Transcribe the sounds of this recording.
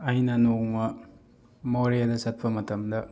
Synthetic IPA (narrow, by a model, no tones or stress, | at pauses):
ɐjnɐnoŋmɐ | moɾejadɐsɐt̚pʰɐmɐtʰɐmdɐ